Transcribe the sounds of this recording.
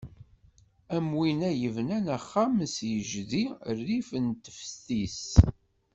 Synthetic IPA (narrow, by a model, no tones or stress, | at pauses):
æmwinæjəvnænæχːamsjəʒðiərːifənt̪ə̥fst̪is